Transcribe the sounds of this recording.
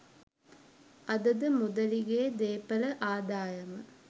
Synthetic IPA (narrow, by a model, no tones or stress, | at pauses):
ʔɐd̪ɐd̪əmud̪ɐliɡeːd̪eːpɐlɐʔaːd̪aːjɐmɐ̰